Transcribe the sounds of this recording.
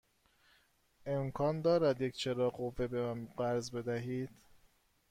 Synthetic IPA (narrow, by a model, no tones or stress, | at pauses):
e̞mkʰɒːnd̪ɒːɾæd̪jecʰt͡ʃʰeɾɒːɢovebeæmɢæɾzbe̞d̪æɦiːd̪̥